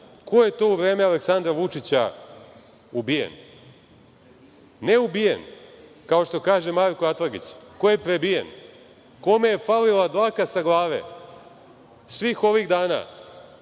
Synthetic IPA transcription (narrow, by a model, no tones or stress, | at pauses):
ko̞je̞t̪o̞uʋɾeːmealeksand̪ɾaʋut͡ʂit͡ɕa | ubijḛn | neubijḛn | kao̞ʃt̪o̞kaːʒe̞maɾkoat̪ɾaɡḭt͡ɕkoje̞pɾebijḛn | ko̞mejefalilad̪lakasaɡlˠaːʋḛ | sʋiːxo̞ʋiɣd̪aːna̰